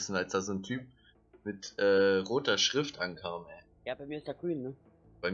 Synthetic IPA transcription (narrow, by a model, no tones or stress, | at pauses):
sn̩alsd̥aːzoːntʰyːp̚ | mɪtʔɛːʁoːtɐʃʁ̥ɪftʔankʰaːmhɛː | jaːbaɪmiɐɪstd̥eːɡ̥ʁyːnːə | b̥aɪm